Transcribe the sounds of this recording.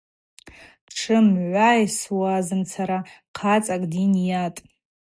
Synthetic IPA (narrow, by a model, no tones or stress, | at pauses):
ʈ͡ʂʰɨmʕʷajswazɨnt͡sʰaɾaqʰat͡sʼakʼdinjatʼ